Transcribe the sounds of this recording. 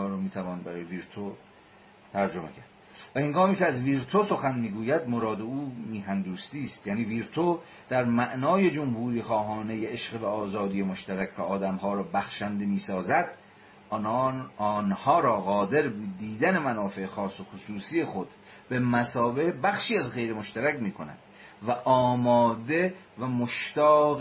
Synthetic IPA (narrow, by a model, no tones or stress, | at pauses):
ɾomiːt̪ʰævɒːnbæɾɒːjeviɾt̪ʰo | t̪ʰæɾd͡ʒo̞mḛkʰæɾd̪ | væheŋɡɒːmiːceæzviːɾt̪ʰoso̞xænmiːɡuːjæd̪moɾɒːd̪euːmiːɦænd̪uːst̪iːst̪jæːniːviːɾt̪ʰo | d̪̥æɾmæʔnɒːje̞d͡ʒomhuːɾiːxɒːɦɒːne̞jeeʃɢevæɒːzɒːd̪ije̞moʃt̪æɾækʰcʰeɒːd̪æmhɒːɾɒːbæxʃænd̪emiːsɒːzæd̪ | nhɒːɾɒːɣɒːd̪e̞ɾbd̪iːd̪æne̞mænɒːfe̞exɒːsːo̞xosuːsije̞xod̪̥ | be̞mæsɒːbe̞hbæxʃiːæzɣejɾemo̞ʃt̪æɾæcmiːkʰo̞næ̰d̪̥ | væʔɒːmɒːd̪e | væmoʃt̪æː